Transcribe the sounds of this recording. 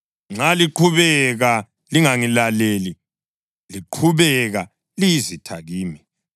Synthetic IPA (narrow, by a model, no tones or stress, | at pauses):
ŋ͡ǀaliǃʰuβɛɣa | liŋaŋilaleli | liǃʰuβɛɣa | lijizitʰaɣiːmi